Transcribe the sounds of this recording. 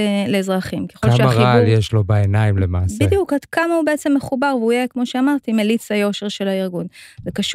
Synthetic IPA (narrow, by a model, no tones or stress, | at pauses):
leːzʁaχimkeχoʃeaaʁialjeʃlo̞baenaimlemaːsbiijukad̪kamaubeet͡se̞mːeχubaʁveujekmo̞ʃeamaʁt̪imelit͡sajo̞ʃeʁʃe̞laiʁɡunzekaʃ